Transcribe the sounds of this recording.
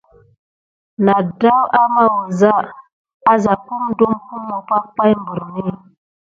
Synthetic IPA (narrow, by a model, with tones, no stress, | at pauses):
na˨da˦wa˦ma˦wo˨za˦˨ | a˦za˨ku˦mdu˦mku˦mo˨pa˦k͡pa˦jmbu˨ɾni˦